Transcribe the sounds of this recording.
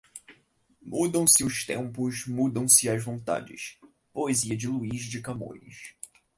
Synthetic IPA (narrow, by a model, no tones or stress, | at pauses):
mud̪ɐ̃w̃sɪʊʃt̪ḛ̃mpʊʃmud̪ɐ̃w̃sɪɐzvõnt̪a̰d͡ʒɪ̰ʃ | poeziɐd͡ʒɪluizd͡ʒɪkɐmõ̰ʎɪ̰ʃ